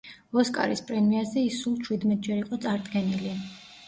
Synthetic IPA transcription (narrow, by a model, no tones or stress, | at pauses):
ɔskʼa̰ɾispʼɾɛmiazɛisulˠt͡ʃʰwid̪mɛt̪̚ʼd͡ʒɛɾiqʼɔt̪sʼaɾd̪ɡɛnili